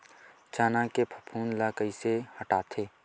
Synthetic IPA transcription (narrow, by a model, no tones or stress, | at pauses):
t͡ʃaːnãkepʰəpʰuːnlaːkəisehəʈaːt̪ʰeː